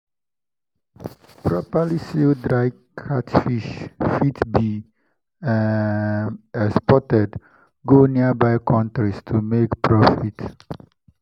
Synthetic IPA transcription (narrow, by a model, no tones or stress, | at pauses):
pɹɔpalisildɹaɪ | kʰatfiʃfitbi | ɛkspɔtɛd | ɡoniabaɪkʰɔ̃ntɹistʰumekpɹɔfit